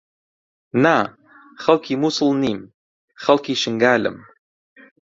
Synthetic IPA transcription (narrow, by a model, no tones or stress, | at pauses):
na | χalˠkʰimusəlˠnim | χalˠkiʃə̆ŋɡalə̰m